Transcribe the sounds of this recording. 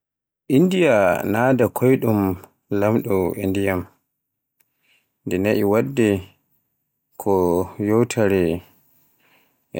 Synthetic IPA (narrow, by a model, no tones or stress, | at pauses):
ʔindijanadakʰɔjɗum | lamɗɔʔindijam | ndɛnaʔiwadːɛ | kʰɔjɔwtʰaɾɛ